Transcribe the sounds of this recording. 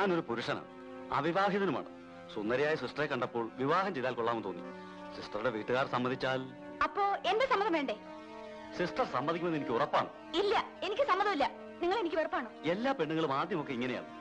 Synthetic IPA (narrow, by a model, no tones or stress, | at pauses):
aːno̞ɾupuɾuʂɐnɐa̰ːɳɨ | a̰ʋiʋaːɦiðɐnuma̰ːɳɨ̰ | sund̪ɐɾɐjaːjɐsisʈɐrekːɐɳɖɐpːo̞ːɭʋiʋaːɦɐmt͡ɕe̞jðaːlkoɭːaːmumt̪o̞ːnːinːṵ | sisʈrɐruɽe̞ʋiːʈːɨɣaːrsɐmbɐnd̪it͡ɕːaːl | ɐpːo̞ːe̞ndesɐmːɐðɐmʋe̞ːɳɖe | sisʈɐrsɐmbɐnʱikʲːumenenikʲːɨurɐpːa̰ːɳɨ̰ | ilːɐ | e̞nikʲːɨsɐmːɐðɐmilːɐ | niŋːɐɭe̞nikʲːɨʋerɐpːaːɳɨːe̞lːaːpe̞ɳːuŋɐɭumaːd̪jɐmo̞kːe̞iŋːɐneja̰ːɭɨ